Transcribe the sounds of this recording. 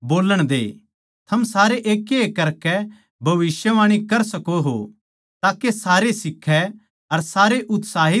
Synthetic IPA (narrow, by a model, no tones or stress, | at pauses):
boːləɽ̃d̪ḛː | t̪ʰɐmsaːɾeʔeːkːeekɐɾkɛ | bʱɐʋɪsjəʋaːɽ̃ikɐɾsɐkoɦo̰ | t̪aːkesaːɾesɪkʰːɛ | ɐɾsaːɾeʔʊt̪saːɦɪ